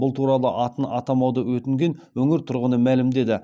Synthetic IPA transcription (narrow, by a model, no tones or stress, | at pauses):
bʊlˠt̪ʰuɾɑlˠə̰ʔɑt̪ənɑt̪ɑmɑwd̪əwɵt̪ɪŋɡʲe̞nwɵŋɪɾt̪ʰʊɾʁənəmælɪmd̪e̞d̪ɪ